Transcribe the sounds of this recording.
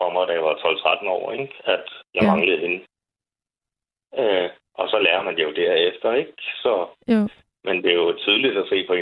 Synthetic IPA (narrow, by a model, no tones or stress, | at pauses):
fɒmɑd̥æjʋɑ̈t͡sʰɒ̽lt͡sʰʁad̥n̩ɒ̰ːeɡ̥æd̥jɑ̈ɪmɑ̈ŋləð̩ˠhe̝nə | ø | ʔɒ̽sɒ̽læːɐmænd̥ejo̝d̥æɐ̰efd̥ɐeɡ̥sɒ̽ | mend̥e̝jo̝t͡sʰið̞ˠlid̥æse̝̰ːpʰɒ̽e